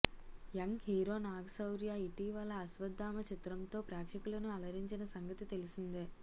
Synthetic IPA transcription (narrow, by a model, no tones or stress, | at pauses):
jɐŋɡhiːɾoːnaːɡɐsɐwɾjaːiʈiːʋɐlːɐːsʋɐd̪ːaːmɐt͡ʃit̪ɾɐmt̪o̞ːpɾaːkʂɐkulɐnuɐlɐɾiɲt͡ʃinɐsɐŋɡɐt̪it̪e̞lisind̪eː